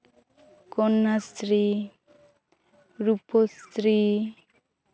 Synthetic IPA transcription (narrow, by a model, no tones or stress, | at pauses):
kɔnːast̪ɾi | ɾupost̪ɾi